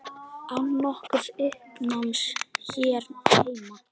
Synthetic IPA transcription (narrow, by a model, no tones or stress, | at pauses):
awnːɔhkʏð̥ʏhpnamsçɛːɾheːjma